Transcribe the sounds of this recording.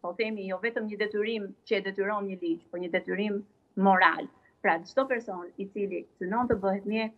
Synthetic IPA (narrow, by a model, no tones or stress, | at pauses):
pɔθɛmijɔvɛt̪əmɲəd̪ɛt̪yɾimt͡ɕəɛd̪ɛt̪yɾɔmɲəlid͡ʑpɔɲəd̪ɛt̪yɾimː | ɔɾa̰l | pɾad͡ʒd̪ɔpɛɾsɔnit͡silisynɔnt̪əbəhɛt̪mjɛ